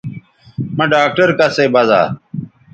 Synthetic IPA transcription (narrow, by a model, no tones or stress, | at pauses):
mɐ̃ɖaːk̚ʈəɾkaseːbaza̰ː